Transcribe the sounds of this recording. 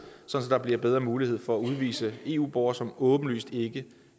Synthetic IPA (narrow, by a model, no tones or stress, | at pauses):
sɒ̽n̩sɒd̥ɑ̈bliɐb̥eð̞ˠʁɐːmuːlihe̝ð̰ˠfɒ̽æuð̞ˠʋḭːsəe̝ṵːb̥ɒʊ̰ɐsɒ̽mɔ̽ːb̥n̩ly̰ːsd̥e̝ɡ̥ə